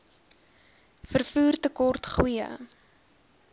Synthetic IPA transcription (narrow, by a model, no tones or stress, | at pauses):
fərfuːrtəkɔrtχwiə̰